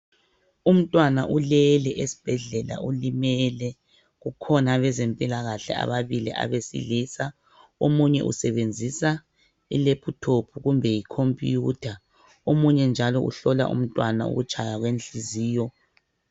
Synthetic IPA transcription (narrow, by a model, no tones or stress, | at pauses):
um̩tʼwanaʔulɛlɛʔesi̥b̥ʱɛɮɛla̰ulimɛlɛ | ɣukʰɔnaβɛzempʼilaɣaɬɛ̰a̰βaβiliʔa̰βesḭliːsa | omuɲɛʔṵsɛβend͡zʱisa | ḭlepʰutʰopʰuɣumbʱɛjikʰompʼijutʰa | omuɲɛnd͡ʒʱalɔʔṵɬɔla̰ʔṵm̩tʼwanaṵɣut͡ʃʰʼajaɣwenɬiziːjɔ